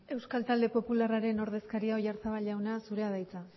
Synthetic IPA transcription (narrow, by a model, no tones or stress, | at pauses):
e̞wskalt̪ald̪e̞po̞pularaɾe̞no̞ɾð̞e̞skaɾiaojaɾt͡saβaʎawnasuɾe̞að̞ajt͡sa